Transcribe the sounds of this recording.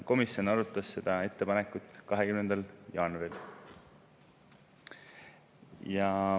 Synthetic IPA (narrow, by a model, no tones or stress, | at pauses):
ko̞misjo̞nɑɾut̪ːˑɑsːe̞d̪̥ɑe̞t̪ːe̞pɑnekːˑut̪ːˑkɑɦekymnend̪̥ɑljɑːnuɾil | jɑ